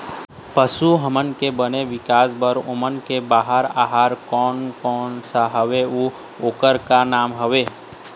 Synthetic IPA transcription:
pəsuɦəmənkebəneʋɪkaːsbəɾʊmənkebaːɦəɾa̰ːɦəɾkɔːnkɔːnsaɦəʋeu | oːkəɾkanaːmɦəʋeː

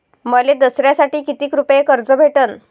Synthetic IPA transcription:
məled̪əsɾjasaʈiːkit̪iːkɾupjekəɾd͡zəbʱeʈən

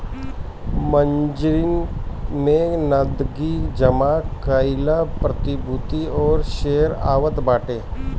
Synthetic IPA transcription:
məɲd͡ʒɾɪnmẽnəd̪ɡid͡ʒəmakaɪlapɾət̪ɪbʱut̪iɔːɾʃeːəɾa̰ːʋət̪baːʈeː

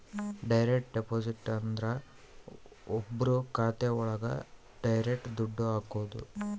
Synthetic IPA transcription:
ɖɐjɾek̚ʈɖepoːd͡ʒiʈːɐnd̪ɾɐ | ɔbːɐɾukaːt̪euɭɐɡɐ̰ | ɖɐjɾek̚ʈd̪uɖːuaːkoːd̪ṵ

